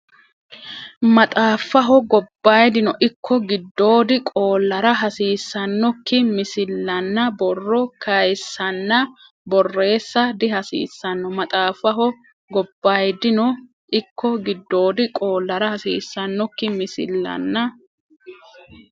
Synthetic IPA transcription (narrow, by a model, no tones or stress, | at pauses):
mɐt̪ʼaːfːɐɦɔɡɔbːaːjd̪ɪnɔʔɪkʰːɔɡɪd̪ːo̞ːd̪ɪkʼo̞ːlːɐɾɐɦɐsiːsːɐnːɔkːɪmɪsɪlːɐnːɐbɔrːɔkɐjsːɐnːɐ | bɔrːe̞ːsːɐd̪ɪhɐsḭːsːɐnːɔmɐt̪ʼaːfːɐɦɔ | ɡɔbːaːjd̪ɪnɔ | ʔɪkːɔɡɪd̪ːo̞ːd̪ɪkʼo̞ːlːɐɾɐhɐsḭːsːɐnːɔkːɪmɪsɪ̰lːɐ̰nːɐ